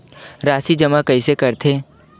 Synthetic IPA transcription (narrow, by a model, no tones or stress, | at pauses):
ɾaːsid͡ʒɐmakɐisekɐɾt̪ʰeː